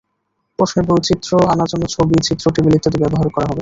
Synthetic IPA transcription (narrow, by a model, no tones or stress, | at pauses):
pɾoʃneɾbowt͡ɕit̪ːɾoanad͡ʑɔnːot͡ɕʰobit͡ɕit̪ːɾoʈibilit̪ʰːot̪ebɛboɦaɾokɔɾaɦɔbe